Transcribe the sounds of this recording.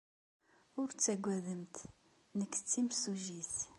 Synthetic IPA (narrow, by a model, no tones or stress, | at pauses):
ʊɾt͡sːæɡʷːæðəmt̪ | nəkːt͡sːimsuʒiθ